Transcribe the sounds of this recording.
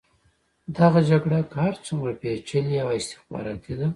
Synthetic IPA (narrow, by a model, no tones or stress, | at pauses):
d̪aɣad͡ʒaɡɽakahaɾt͡sumɾapet͡ʃəlijawaɪst̪ɪ̥xbɑ̰ɾɑt̪id̪a